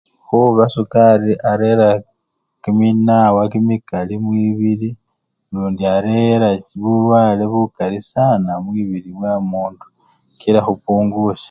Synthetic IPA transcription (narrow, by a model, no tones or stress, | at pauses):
xuβasukaɾiʔaɾeɾa | kiminawakimikalimwiːβiɾi | luːndiaɾeɾaβulwaːleβukalisanamwiβiɾiβwamuːndu̥ | kiɾaxupuːŋɡuʃḁ